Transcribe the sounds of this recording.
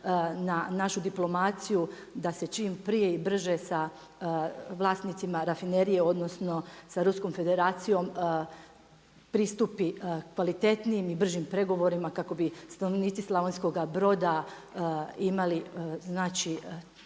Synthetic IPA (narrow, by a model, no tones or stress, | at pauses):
nanaʃud̪iplˠo̞mat̪siju | d̪ase̞t͡ʃiːmpɾije̞ibr̩ʒesa | ʋlˠaːst̪nit̪simaɾafineɾije̞o̞d̪no̞sno̞saɾusko̞mfe̞d̪e̞ɾaːt̪sijo̞m | pɾist̪upikʋalit̪e̞t̪nijimibr̩ʒimpɾe̞ɡo̞ʋo̞ɾimakako̞bist̪anoʋniːt̪sislˠaʋonsko̞ɡabɾo̞d̪a | imaliznaːt͡ʃi